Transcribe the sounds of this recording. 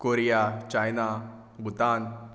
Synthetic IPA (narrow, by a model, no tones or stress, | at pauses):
koɾijat͡ʃajna | bʱut̪aːn